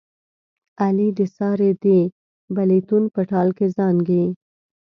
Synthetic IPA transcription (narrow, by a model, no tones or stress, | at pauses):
alid̪esɑɾed̪e | balit̪unpəʈɑlkezɑnɡi